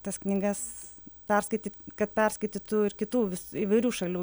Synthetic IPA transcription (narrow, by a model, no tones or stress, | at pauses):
t̪ɐsknʲiɡɐs | pʲɛrskɐɪt̪ʲiːt̪kɐt̪̚pʲɛrskɐɪt̪ʲit̪uːɪɾkʲɪt̪uːʋʲɪsiːʋɐɪɾʲuːʃɐlʲuː